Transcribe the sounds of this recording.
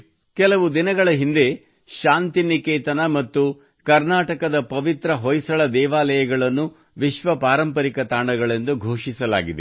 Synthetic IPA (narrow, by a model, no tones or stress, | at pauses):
kɛlɐʋud̪inɐɡɐɭɐɦind̪e̞ | ʃaːnt̪inikeːt̪ɐnɐmɐt̪ːu | kɐɾnaːʈɐkɐd̪ɐpɐʋit̪ɾɐɦɔjsɐɭɐd̪ɛːʋaːlɐjɐɡɐɭɐnːu | ʋiʃʋɐpaːɾɐmpɐɾikɐt̪aːɳɐɡɐɭend̪uɡʱoːʂisɐla̰ːɡid̪e